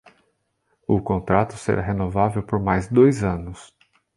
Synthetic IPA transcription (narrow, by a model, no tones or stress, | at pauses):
ʊkõnt̪ɾat̪ʊ̥sḛɾaɦenovavewpoɾmajzd̪ojzɐ̃nʊs